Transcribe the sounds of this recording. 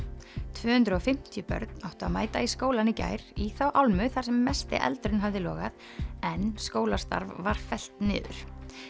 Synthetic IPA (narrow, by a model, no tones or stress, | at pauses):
t̪ʰvœːhʏnt̪ɾʏɔfɪm̥t̪ʰjʏpœ̰ɾt̪nawht̪ʏama̰ːjt̪aiskoːwlanːɪca̰ːjɾ̥iθawʔawlmʏθaɾ̥sɛmːɛst̪ɪ̰ʔɛ̰lt̪ɾʏnɦavðɪlɔ̰ːɣað | ɛnskoːwlḁst̪a̰ɾvːaɾ̥fɛl̥t̪nɪ̰ːðʏ̰ɾ̥